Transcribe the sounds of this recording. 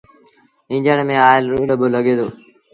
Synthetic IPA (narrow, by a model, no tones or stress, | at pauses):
ɦɪ̃ːd͡ʒəɽmẽːaːɪlɾuːləbələɠeːd̪ʰoː